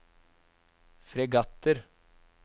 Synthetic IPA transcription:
fɾɛɡɑt̪əɾ

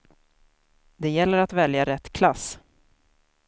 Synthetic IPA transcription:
d̪ɛjɛlːəɾat̪vɛljaɾɛt̪ːkʰlas

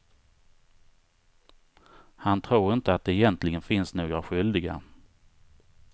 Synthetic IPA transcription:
hant̪ʰɾuːɾɪnt̪əat̪̚d̪ɛɛjɛnt̪ʰlɪɡənfɪnsnoːɡɾaɧʏld̪ɪɡa̰

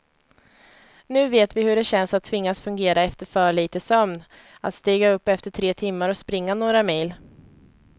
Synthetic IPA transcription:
nʉ̟ːveːt̪vɪhɵɖɛɕɛnsat̪t̪ʰːvɪŋːasfɵŋɡeːɾaɛft̪əɾfœːɭiːt̪əsœmn | a̰t̪st̪iːɡaɵpːɛft̪əʈʰɾeːt̪ʰɪmːaɾɔspɾɪŋːanoːɾamejl

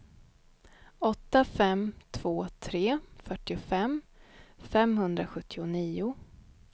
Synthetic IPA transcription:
ɔt̪ːafɛmt̪ʰv̥oːt̪ʰɾeːfœʈːɪʊfɛmː | fɛmhɵnd̪ɾaɧɵt̪ːɪʊniːʊ

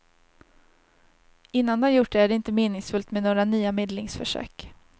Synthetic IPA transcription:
ɪnːand̪əhajʊʈ̚ɖɛæɖɛɪnt̪əmeːnɪŋsfɵlt̪mɛnoːɾanyːameːd̪lɪŋsfœ̰ʂø̰ːk

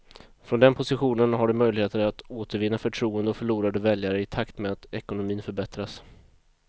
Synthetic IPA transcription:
fɾɔnd̪ɛnpʰʊsɪɧuːnənɦaɖɵmœjlɪɡheːt̪əɾat̪oːt̪əɾvɪnːafœʈʰɾuːənd̪əɔfœɭuːɾad̪əvɛljaɾəɪt̪ʰakt̪mɛat̪ɛkʊnʊmiːnfœɾbɛt̪ɾas

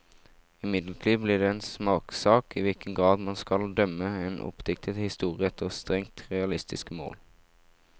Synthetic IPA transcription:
ɪmɪd̪ləʈ̪ʰiːʋblɪːʁɖeːeːnsmɑːksɑːkiːʋɪlkənɡʁɑːd̪mɑnskɑld̪œməeːnʔɔ̰pd̪ɪk̚t̪ʰət̪hɪst̪uːʁɪəɛt̪ʰːəʁst̪ʁɛŋt̪ʁɛɑlɪst̪ɪskəmo̰ːl

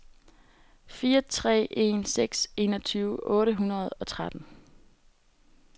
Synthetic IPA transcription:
fiːɐt͡sʰʁɛ̰ːʔe̝̰nseɡ̥se̝̰ːnɒt͡sʰyːʊʔɔ̽ːɾəɦunɐð̞̩ˠɒ̽t͡sʰʁad̥n̩

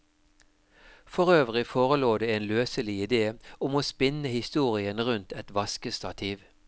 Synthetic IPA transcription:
fɔʁøːʋʁɪfoːʁəloːd̪eːeːnløːsəlɪɪd̪eːʊmoːspɪnəhɪst̪uːʁɪənʁʉnt̪ʰɛt̪ʋɑskəst̪ɑt̪ʰiːʋ

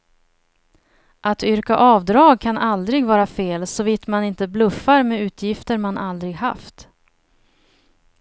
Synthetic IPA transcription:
ʔat̪ʏɾkaʔɑːvd̪ɾɑːɡ̚kʰanald̪ɾɪɡvɑːɾafeːlsɔviːt̪manɪnt̪əblɵfːaɾmɛʉ̟ːt̪ʰjɪft̪əɾmanʔald̪ɾɪɡha̰ft̪

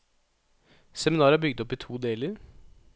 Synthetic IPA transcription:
sɛmɪnɑːɾəɑbʏɡ̚d̪ɔpːiːt̪ʰuːd̪eːləɾ

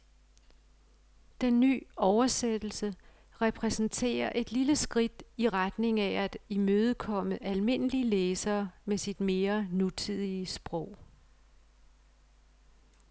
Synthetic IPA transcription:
d̥enːy̰ːɒʊɐsed̥l̩sə | ʁɛpʰʁɛsn̩t͡sʰe̝̰ːɐʔe̝d̥liləsɡ̥ʁid̥iʁad̥ne̝ŋææd̥imøːð̞̩ˠkʰɒ̽m̰əʔælme̝n̰əliəleːsɐːmesid̥me̝ːɐnut͡sʰið̞̰ˠiəsb̥ʁɔʊ̰

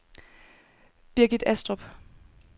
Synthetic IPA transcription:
b̥iɐɡ̥id̥æsd̥ʁɔb̥

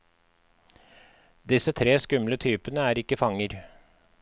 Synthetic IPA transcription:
d̪ɪsət̪ʰɾeːskʉmlət̪ʰyːpənəæːɾɪkəfɑŋəɾ

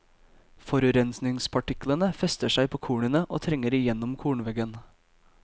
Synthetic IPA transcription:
fɔɾʉɾɛnsnɪŋspʰɑʈɪklənəfɛst̪əʂæɪpʰoːkʰuːɳənəʔoːt̪ʰɾɛŋəɾɪjɛnːɔmkʰuːɳʋɛɡən

